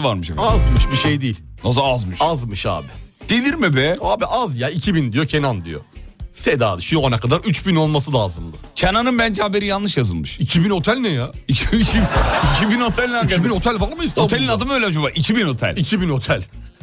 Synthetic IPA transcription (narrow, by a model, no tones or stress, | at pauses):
vaɾmɯʃazmɯʃbiʃejd̪iːilʲnazaazmɯʃazmɯʃa̰ːbid̪̥elʲiɾmibɛaːbiʔazjaicʰibind̪ijo̞cʰenand̪ijo̰sed̪aːd̪ɯʃujoanakʰad̪aɾyt͡ʃbino̞lˠmasɯd̪ˠaːzɯmd̪ˠɯcʰenanɯnbænd͡ʒɛhabe̞ɾijanlːˠɯʃjazɯlˠmɯʃicʰibino̞t̪ʰælʲnɛja | iiicʰibinot̪ʰælʲnænbino̞t̪ʰælʲvaɾmɯist̪oelʲinad̪ɯmøjlʲɛd͡ʒubaʔicʰibino̞t̪ʰæ̰lʲicʰibino̞t̪ʰælʲ